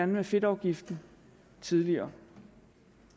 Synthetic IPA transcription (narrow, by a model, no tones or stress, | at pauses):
ænmefe̝d̥ɑ̈ʊɡ̥ifd̥n̩ | t͡sʰiðˠliɐː